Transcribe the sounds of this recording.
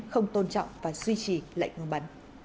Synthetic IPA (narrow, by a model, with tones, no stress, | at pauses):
xə˧wŋ͡mt̪o˧nt͡ɕɔ̰˧˨wŋ͡mvaː˨˩zwi˧t͡ɕi˨˩la̰˧˨jŋŋɨ˨˩ɓa˨˩˦n